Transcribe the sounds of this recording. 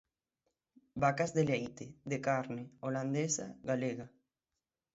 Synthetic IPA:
bakazðelejt̪eðekaɾneoland̪esa̰ɣaleɣa

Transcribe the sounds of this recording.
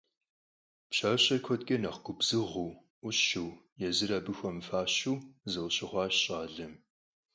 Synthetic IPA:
pɕaːɕʼɐkʷʰɔd̚ɡʼɐnɐχɡ̥ʷʊbzɨʁuː | ʔʷʊɕɨw | jɛzɨɾaːbɨxʷɔmfaːɕuːzɨwɕɪχʷɑːɕɕʼaːɮɐm

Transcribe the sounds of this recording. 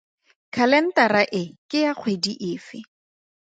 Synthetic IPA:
kʰalɛn̩taraʔɪkʼɪjaq͡χʰwediʔɪːfɪ

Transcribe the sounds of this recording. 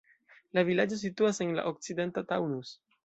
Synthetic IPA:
lavilad͡ʒo̞s̬ituase̞nla̰ʔo̞k̚t͡side̞ntatawnus

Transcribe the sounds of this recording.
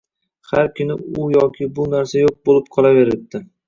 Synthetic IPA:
haɾkʲʰɪnɪʊjɒkʲʰɪbʊnaɾsajoq̚bolɪp̚qʰɒlˠave̞ɾɪp̚d̪ɪ

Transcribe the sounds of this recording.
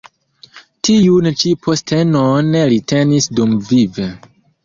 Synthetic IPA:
tiunt͡ʃipʰostʰe̞none̞ɾitʰe̞nisdumvive

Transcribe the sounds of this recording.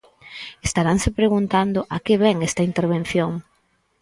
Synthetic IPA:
est̪aɾaŋsepɾeɣ̞unt̪and̪ʊʔakeβɛŋɛst̪ɐint̪eɾβ̞en̟θjoŋ

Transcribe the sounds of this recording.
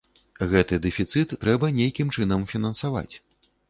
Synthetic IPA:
ɣɛt̪ɨd̪ɛfʲit̪sɨt̪ːɾɛbɐnʲejkʲimt͡ʂɨnɐmfʲinɐnsava̰t͡sʲ

